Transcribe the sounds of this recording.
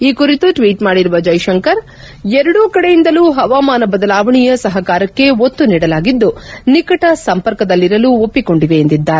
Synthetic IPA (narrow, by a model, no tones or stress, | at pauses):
iːkuɾit̪uʈʋiːʈmaːɽiɾuʋɐd͡ʒɐjʃɐŋkɐɾ | ɛɾɐɽuːkɐɽejind̪ɐluːɦɐʋaːmaːnɐbɐd̪ɐlaːʋɐɳijɐsɐɦɐkaːɾɐkːe̞ot̪ːuniːɽɐlaːɡid̪ːunikɐʈɐsɐmpɐɾkɐd̪ɐlːiɾɐluopːiko̞ɳɖiʋe̞ːnd̪id̪ːaːɾe